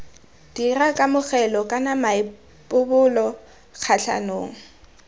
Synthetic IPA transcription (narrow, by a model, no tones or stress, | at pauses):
d̥irakʼamʊk͡xɛlɔkʼanamaɪ | pʼʊbʊlɔ | k͡xʰaɬʰa̰noːŋ̩